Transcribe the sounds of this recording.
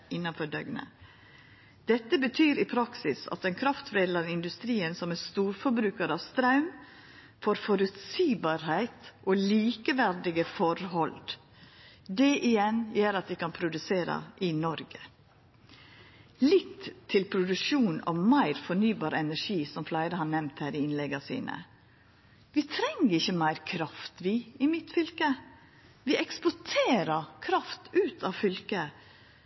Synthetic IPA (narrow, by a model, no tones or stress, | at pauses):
ɪnːɑnfɔɖœɡnə̰ | d̪̥ɛt̪ːəbət̪ʰyːɾɪpʰɾɑksɪsɑ̰t̪̚ɛnkʰɾɑft̪ʋɾeːd̪lɑɾɪnd̪ʉst̪ɾiːənsɔmæst̪uːɾfɔɾbɾʉːkəɾɑːʋst̪ɾɑʉm | foːɾfɔɾʉt̪siːbɑːɾhæɪt̪ʔoːliːkəʋæɾɖɪɡəfɔɾhɔl | d̪ɛʔɪjɛnjøːɾɑt̪̚d̪ɪkɑnpʰɾʊd̪ʉseːɾɑ̰ʔɪnɔɾɡə | lɪt̪ʰːɪlpʰɾʊd̪ʉʃuːnɔ̰mæɪɾfɔnyːbɑːɾɛnæʂiːsɔmflæɪd̪əhɑnɛmt̪hæːɾɪɪnlɛɡɑsḭːnə̰ | ʋɪt̪ʰɾɛŋːəɾɪçːəmæɪɾkʰɾɑft̪ʋiːɪmɪt̪fʏlkə | ʋɪɛkspɔʈʰeːɾəkʰɾɑft̪ʉːt̪ʰɑʋfʏlkə